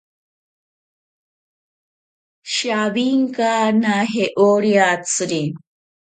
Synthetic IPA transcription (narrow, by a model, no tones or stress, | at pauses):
ɕawiŋkanaɦeʔoɾijat͡sɾi